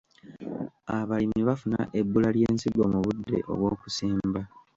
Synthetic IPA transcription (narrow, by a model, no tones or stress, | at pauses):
aβalimiβafuna̰ʔe̞bːulalje̞ːnsiɡo̞muβudːe̞̰ʔo̞̰βwo̞ːkusiːmba